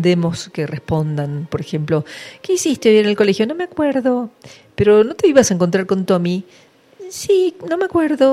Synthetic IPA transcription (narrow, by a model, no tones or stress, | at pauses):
d̪emo̞skerespo̞nd̪anpo̞ɾexe̞mplo̞ke̞isist̪eojeɾenelko̞lexjo̞no̞meakweɾðo̞ | peɾo̞no̞t̪e̞iβasaeŋko̞nt̪ɾaɾko̞nt̪o̞mi | sino̞meakweɾðo̞